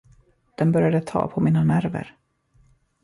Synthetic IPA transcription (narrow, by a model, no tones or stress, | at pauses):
d̪̥ɛnbœɾjad̪ət̪ʰɑ̰ːpʰɔmiːnanæɾvə̰ɾ